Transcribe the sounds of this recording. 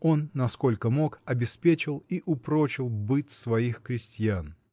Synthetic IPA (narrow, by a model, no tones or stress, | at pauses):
o̞nːɐsko̞lʲkəmo̞kɐbʲɪspʲet͡ɕɪlˠiʔʊpɾot͡ɕɪlˠbɨtʲsvɐixkɾʲɪsʲtʲjan